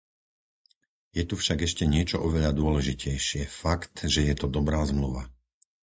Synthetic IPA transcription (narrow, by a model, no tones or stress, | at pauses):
jɛt̪ufʃaɡɛʃcɛɲɪɛt͡ʃɔʔɔʋɛʎad̪ʊɔlɛʒicɛjʃɪɛfakt̪ʒɛjɛt̪ɔd̪ɔbɾaːzmluʋa̰